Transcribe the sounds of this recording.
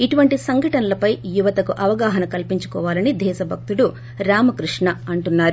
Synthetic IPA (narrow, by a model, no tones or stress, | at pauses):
iʈuʋɐɳʈisɐŋɡʱɐʈɐnɐlɐpɐjjuʋɐt̪ɐkuʔɐʋɐɡaːɦɐnɐkɐlpiɲt͡ʃu̥kɔːʋaːlɐnid̪ʱɛːʃɐbʱɐk̚t̪uɽu | ɾaːmɐkɾuʂɳɐɐɳʈunːaːɾu